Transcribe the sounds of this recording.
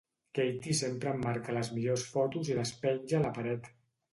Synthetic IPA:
kejt̪isempɾəmːaɾkələzmiʎosfɔt̪uziləspɛɲʲʒələpəɾɛt̪

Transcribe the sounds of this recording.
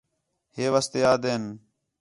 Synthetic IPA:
ɦeːʋast̪eːaːd̪eːn

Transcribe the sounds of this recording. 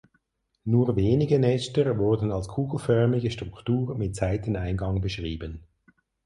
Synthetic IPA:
nuːveːnɪɡənɛstəʁvʊɐdən̩ɑlskʰuːɡl̩fœɐmɪɡəʃtʁ̥ʊktuːʁmɪt̚t͡saɪtənaɪnɡɑŋbəʃʁiːbən

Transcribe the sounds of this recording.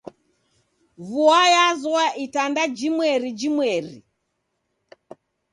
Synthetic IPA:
vuajazɔaʔitandad͡ʒimwɛɾid͡ʒimwɛrḭ

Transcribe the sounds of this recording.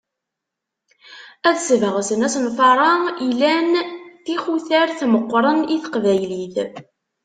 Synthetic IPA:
æðsvəʁsənæsənfɑɾˤɑilænt̪ixuθæɾθməqʷːɾˤəniθə̥qvæjliθ

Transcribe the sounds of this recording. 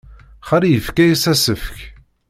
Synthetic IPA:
χaɾjəfkæjəsæsəfk

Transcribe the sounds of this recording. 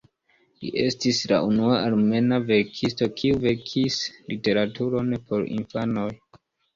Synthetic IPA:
lḭʔe̞stisla̰unuaʔalme̞nave̞ɾkʰisto̞kʰiuve̞kʰislite̞ɾatuɾo̞npʰo̞ɾḭnfano̞j

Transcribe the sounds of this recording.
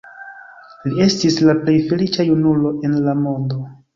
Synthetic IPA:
lie̞stislaple̞jfe̞lit͡ʃajunulo̞ʔe̞nlamo̞ndo̞

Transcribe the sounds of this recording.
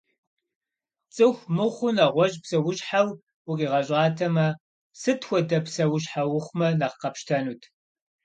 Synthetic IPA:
t͡sʼɨxʷmɨχʷʊnaʁʷɔʑpsɐwʊɕħaw | wʊqʼiːʁɐɕʼɑːtʰɐmɐ | sɨtʰxʷɔdɐpsɐwʊɕħawʊχʷmɐnɐqqɐpʃtʰɐnuːtʰ

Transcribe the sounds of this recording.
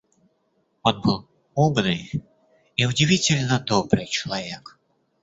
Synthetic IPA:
ɔnbɨlˠ | ɔbnɨ | iud͡zʲivʲit͡sʲɪlʲnɐd̪ɔbɾɨt͡ʃɐlˠavʲɛk

